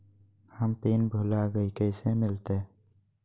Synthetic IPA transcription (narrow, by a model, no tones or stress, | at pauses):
həmpeːnbʱuːlaɡəikəɪsemɪlt̪e